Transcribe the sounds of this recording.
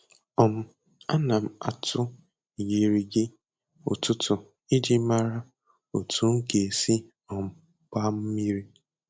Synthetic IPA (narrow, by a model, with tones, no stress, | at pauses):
ɔ˨m̩˦ | a̰˦na˨m̩˨a˨tʊ˦˨ | ji˨ɾi˨ɡɪ˦ | ʊ̰˨tʊ˦tʊ˨ | i˦d͡ʒi˦ma˦ɾa˦ | o˨tʰu˦ŋ̩˦ke˨si˦ | ɔ˨m̩˨ | ka˦m̩˦mi˦ɾi˦